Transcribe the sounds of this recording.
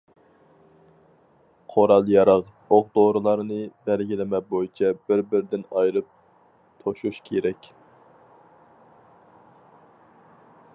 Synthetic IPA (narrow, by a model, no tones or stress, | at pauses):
qʰoɾɑlˠjɑɾɑʁ | oʁd̪oɾɨlˠɑɾnɨbɛlɡʲilɪmɛbojit͡ʃʰɛbɪɾbɪɾd̪ɪnɑjɾɨp̚ | t̪ʰoʃuʃkʲʰeɾɛkʲ